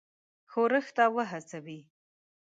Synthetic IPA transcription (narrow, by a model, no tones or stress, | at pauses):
xoɾəxt̪awəɦasawi